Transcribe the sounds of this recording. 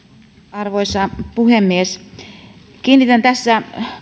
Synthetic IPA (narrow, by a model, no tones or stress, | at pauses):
ɑrʋoisɑpuhemːies | kiːnːit̪ænt̪æsːæ